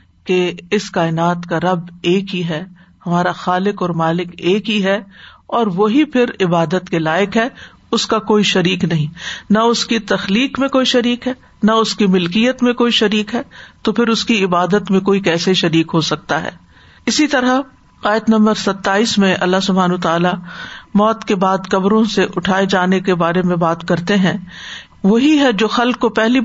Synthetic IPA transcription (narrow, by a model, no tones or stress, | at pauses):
keɪskaːɪnaːt̪kaɾɐbeːkɦiɦɛ | hɐmaːɾaxaːlɪkɔːɾmaːlɪkeːkɦiɦɛɔːɾʋoɦipʰɪɾɪbaːd̪ət̪kelaːɪkɦɛ | ʊskakoːiʃɐɾiːknɐɦĩnɐʊskit̪ɐxliːkmẽkoːiʃɐɾiːkɦɛː | nɐʊskimɪlkijət̪mẽkoːiʃɐɾiːkɦɛːt̪opʰɪɾʊskiɪbaːd̪ət̪mẽkoːikɛːseʃɐɾiːkɦosɐk̚t̪aɦɛ̰ː | ɪsit̪ɐɾa | aːjət̪nɐ̃mbəɾsɐt̪ːaːiːsmẽʔɐ̰lːaɦsʊbʱaːnot̪aːlamɔːt̪kebaːd̪kɐbɾõseʔʊʈʰaːed͡ʒaːnekebaːɾemẽbaːt̪kɐɾt̪eɦɛ̃ | ʋoɦiɦɛd͡ʒoːxɐlkːopɛɦli